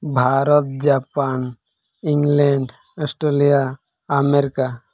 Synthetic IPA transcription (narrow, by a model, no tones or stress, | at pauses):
bʱaːɾət̪̚d͡ʒapaːn | ĩŋɡlẽɳɖ | əsʈɾelijaː | meɾika